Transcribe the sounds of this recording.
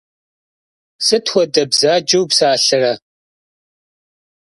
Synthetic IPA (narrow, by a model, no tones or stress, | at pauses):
sɨtʰxʷɔdɐbzaːd͡ʒɐwpsaːɬɨrɐ